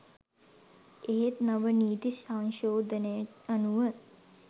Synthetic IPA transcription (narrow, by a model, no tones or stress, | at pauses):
eɦet̪naʋəniːt̪isaŋʃoːd̪ənəjəanuʋə